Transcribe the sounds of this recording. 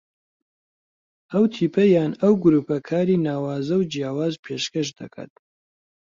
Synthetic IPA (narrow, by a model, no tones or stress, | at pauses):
ʔɐwt̪ʰiːpʰɐjaːnɐwɡʊɾuːpɐkʰaːɾiːnaːwaːzɐwd͡ʒjaːwaːzpʰeʃkɐʃd̪ɐ̰kʰa̰ːt̪̚